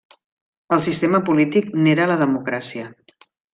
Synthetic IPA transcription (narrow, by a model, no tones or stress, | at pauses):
əlˠsist̪eməpulit̪ikneɾələðəmukɾasiə